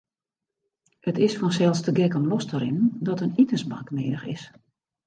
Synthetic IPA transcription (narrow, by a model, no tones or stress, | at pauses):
hətɪsfɔnsɛlˠstəɡɛkɔmlɔstəɾɪnn̩dɔtənitəsbakmɪːdəxɪ̰s